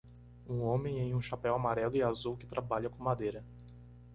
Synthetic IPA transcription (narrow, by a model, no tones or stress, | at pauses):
ũõmẽj̃ẽj̃ũʃapɛwamaɾɛlʊɪazuwkɪ̥t̪ɾabaʎɐkõmad̪ejɾɐ